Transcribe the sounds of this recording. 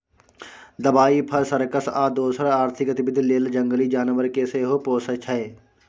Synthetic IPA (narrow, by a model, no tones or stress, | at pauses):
d̪ɐbaːipʰɐɾsəɾkəsaːd̪oːsəɾaːɾt̪ʰɪkɐt̪ɪbɪd̪ʱːleːld͡ʒə̃ŋɡəliːd͡ʒaːnʋəɾkeseɦopoːsət͡ʃʰɛe